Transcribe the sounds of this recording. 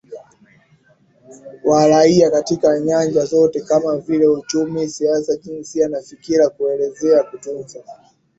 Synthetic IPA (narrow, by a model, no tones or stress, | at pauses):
waɾaiakatikaɲand͡ʒazɔtɛkamavilɛut͡ʃumisiasaʄinsianafikiɾakuɛlɛzɛakutunza